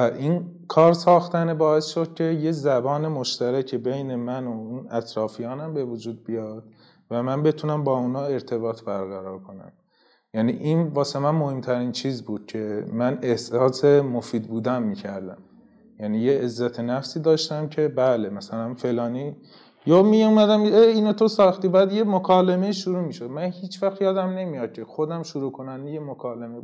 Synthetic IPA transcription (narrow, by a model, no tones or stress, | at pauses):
æʔinkʰɒːɾsɒːxt̪ænebɒːe̞sʃo̞d̪̚cʲʰe̞jezæbɒːne̞mo̞ʃt̪æɾæcʰebe̞jne̞mænounæt̪ʰɾɒːfijɒːnæmbe̞vod͡ʒuːd̪̚bijɒːd̪̥ | væmænbe̞t̪ʰunæmbɒːunɒːe̞ɾt̪ʰe̞bɒːt̪ʰbæɾɣæɾɒːɾkʰo̞næ̰m | jæːniʔinvɒːsemænmo̞he̞mt̪ʰæɾiːnt͡ʃʰiːzbuːd̪̥̚cʰe̞mæne̞hsɒːse̞mofiːd̪̚buːd̪ænmiːcʰæɾd̪æ̰m | jæːnijeezːæt̪ʰenæfsiːd̪ɒːʃt̪æmcʰe̞bæːle̞mæsælænfe̞lɒːniː | jomijumæd̪æmʰeeiːnot̪ʰosɒːxt̪iːbæːd̪je̞mokʰɒːleme̞iːʃuɾuːmiːʃod̪mænhiːt͡ʃʰvæxt̪jɒːd̪æmne̞mijɒd̪̥̚cʰe̞xo̞d̪æmʃuɾuːkʰo̞nænd̪ejemokʰɒːleme